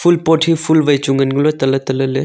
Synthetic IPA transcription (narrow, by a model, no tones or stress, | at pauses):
pʰulpoʈʰipʰulʋɐjt͡ʃuŋɡənɡlot̪ɐlɐt̪ɐlɐle